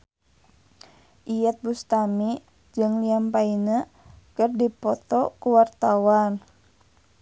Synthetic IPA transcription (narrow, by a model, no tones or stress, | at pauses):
ʔijət̪̚bust̪ami | d͡ʒɨŋliampainə | kərdipɔt̪ɔkuwart̪awan